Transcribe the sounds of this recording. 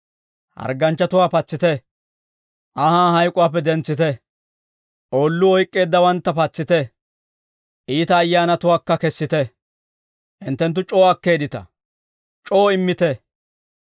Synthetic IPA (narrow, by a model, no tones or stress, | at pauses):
hɐ̰ɾɡɐnt͡ʃːɐt̪ʊwaːpɐt͡sːɪt̪ɛ | ʔɐhaːɦɐjkʼʊwaːp̬ːɛd̪ɛnt͡sːɪt̪ɛ | ʔoːlːʊɔjkʼːe̞ːd̪ːɐwɐnt̪ːɐpɐt͡sːɪt̪ɛ | ʔiːt̪ɐːjːaːnɐt̪ʊwaːkːɐkɛsːɪt̪ɛ | ʔɪnt̪ːɛnt̪̬ːʊt͡ʃʼo̞ːɐkːe̞ːd̪ɪt̪ɐ̰ | t͡ʃʼo̞ːɪmːɪt̪ɛ